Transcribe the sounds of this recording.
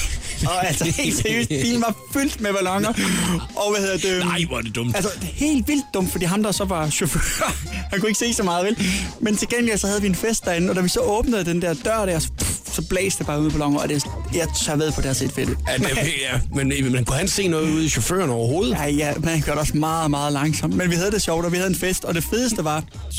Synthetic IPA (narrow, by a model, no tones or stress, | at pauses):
ɒ̽ælsɒhe̝̰ld̥seɐjø̰ːsd̥ḭːln̩ʋɑ̈fyl̰d̥meb̥ælɒŋɐʔɒ̽ʋæhe̝ðˠɐd̥eʋd̥ed̥ɔmælsɐ̥he̝̰ːld̥ʋil̰d̥̚ːɔ̽m̰d̥fɒd̥ḭːɦɑ̈md̥ɑsɒ̽ʋɑ̈ːɕo̝føɐhænkue̝ɡ̥əse̝̰ːsɒmɑ̈ːð̩ˠʋelment͡sʰe̝lɡ̥eŋ̰lisɒhæð̞ˠʋie̝nfesd̥ɑ̈e̝n̩ɒ̽d̥æʋisɒ̽ʔɔ̽ːb̥nəð̞̩ˠd̥end̥æɐd̥ɶɐ̰ɾ̥æɐ̰ɒsɒ̽sɒ̽b̥lḛːsd̥eb̥ɑ̈ːun̰̩ˠpbælɒ̽ŋ̰ɐɒd̥e̝jɑt͡sʰɑʋeðˠpʰɒdæɐsed̥fed̥jæmenmænkʰuhænse̝̰ːnɔ̽ːðˠuð̞̩̰ˠiɕofø̰ːɐnɒʊɐɦo̝ːð̩ˠaɪjæmenhænɡ̥øɐɾe̝ɒ̽smɑ̈ːð̩ˠmɑ̈ːð̞̩ˠlɑ̈ŋsɒ̽m̰d̥menʋihæð̞ˠəd̥e̝ɕɒʊ̰d̥ɒ̽ʋihæðˠenfesd̥ɒ̽d̥e̝feðˠəsd̥əʋɑ̈